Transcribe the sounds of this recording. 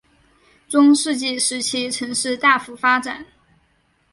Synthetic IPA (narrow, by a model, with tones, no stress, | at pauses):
ʈ͡ʂʊ˥ŋʂɻ̩˥˧t͡ɕi˥˩ʂɻ̩˧˥t͡ɕʰi˥ʈ͡ʂʰɤ˧˥ŋʂɻ̩˥˧t̪a˥˩fu˧˥fa˥ʈ͡ʂa˨˩˦n